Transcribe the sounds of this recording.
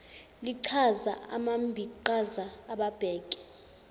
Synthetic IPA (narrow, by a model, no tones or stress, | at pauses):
liǀʰaza̰a̰mambʱiǃazaːɓab̥ʱɛːɡ̥ʱɛ̥